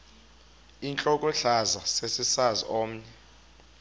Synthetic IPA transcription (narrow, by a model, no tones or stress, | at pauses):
int͡ɬʼɔkʼɔɬazasesisazḭoːm̩ɲɛ